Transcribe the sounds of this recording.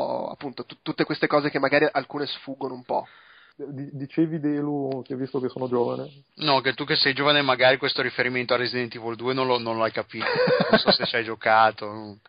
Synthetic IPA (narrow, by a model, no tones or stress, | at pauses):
a̰pːunt̪ot̪ut̪ːut̪ːekwest̪ekɔːzekemːaɡaːɾiʔalkuːnesfuːɡonoumpɔ̰ | d̪id̪it͡ʃeːvid̪elukɛvːist̪okesːoːnod͡ʒoːvane | nɔket̪ːuk̬ːesːɛjd͡ʒoːvanemaɡaːɾikwest̪oɾifeɾiment̪oarːezid̪ɛnt̪ivold̪uːenõnlonõnloajkapiːt̪onõnsɔset͡ʃajd͡ʒokaːt̪ono